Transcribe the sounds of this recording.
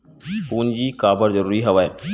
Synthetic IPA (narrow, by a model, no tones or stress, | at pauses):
puːnd͡ʒiːkaːbəɾzəɾuːɾiɦɐʋaːe